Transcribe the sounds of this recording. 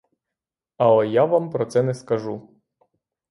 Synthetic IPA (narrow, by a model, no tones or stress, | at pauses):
ɐlˠɛjaʋampɾɔt̪sɛnɛskɐʒu